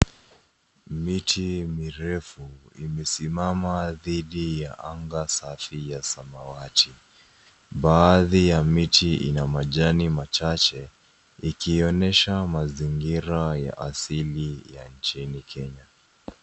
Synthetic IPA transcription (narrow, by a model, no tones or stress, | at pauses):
mitʰimiɾɛfuimɛsimamaðiɗijaʔaŋɡasafijasamawatʰi | ɓaːðijamitʰiḭnamaʄanimat͡ʃat͡ʃɛ | ikiːɔnɛʃamaziŋɡiɾaja̰ʔasilijant͡ʃinikʰɛɲa